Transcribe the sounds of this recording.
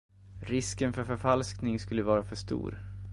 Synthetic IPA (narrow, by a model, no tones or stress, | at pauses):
ɾɪskənfœɾfœɾfalsknɪŋskɵlːəvɑːɾafœʂt̪ṵːɾ